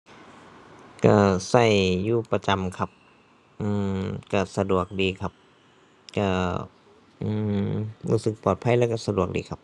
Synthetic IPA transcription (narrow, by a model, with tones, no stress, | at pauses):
ka˧˩sa˧˩jːuː˧˩pa˧t͡ɕa˧˨mkʰa˧˩p̚ | ʔɯː˧˩mka˧˩sa˧du˨˩ək̚diː˨˧kʰa˧p̚ | ka˧˩ | ʔɯː˧˩ɾṵː˧˩sɯ˨˦k̚pɔː˨˩t̪̚pʰa˧˥˨jlɛː˧˥˩wka˧˩sa˧du˨˩ək̚diː˧˩kʰa˧˥p̚